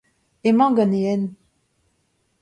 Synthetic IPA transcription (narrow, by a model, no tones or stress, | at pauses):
emɑ̃ɡaneɛn